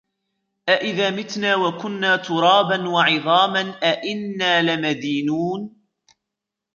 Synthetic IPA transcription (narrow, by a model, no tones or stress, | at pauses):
ʔaʔɪðaːmɪt̪naːwakʊnːaːt̪ʰʊɾˤɑːbanwɑʕɪðˤɑːmanʔaʔɪnːaːlɪmad̪iːnuːn